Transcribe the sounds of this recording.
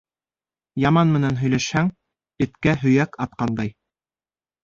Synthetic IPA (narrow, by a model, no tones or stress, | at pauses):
jɑmɑnmɘ̆nænɦɵ̆jlæʃhæŋ | ɘ̆t̪kæɦɵ̆jækɑt̪̚qɑnd̪ɑj